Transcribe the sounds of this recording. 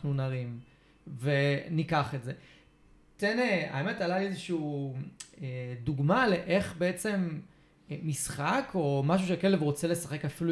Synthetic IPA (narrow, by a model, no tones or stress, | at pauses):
nunaʁim | ve̞nikaχetze̞ | tenea̰eme̞talaiezeʃiː | eduɡmale̞ʔe̞χbe̞et͡se̞mː | isχakʰo̞maʃ̬uʃekelevʁo̞t͡sele̞saχe̞kafilu